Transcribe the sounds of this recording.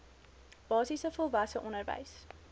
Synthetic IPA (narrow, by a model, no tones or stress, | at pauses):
b̥ɑːsisəfɔlˠvɐsəʔɔnərvə̰js